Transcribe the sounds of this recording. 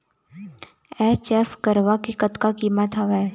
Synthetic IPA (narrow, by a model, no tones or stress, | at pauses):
ɛːt͡ʃɛfkəɾʋakikət̪kakiːmət̪aʋɛ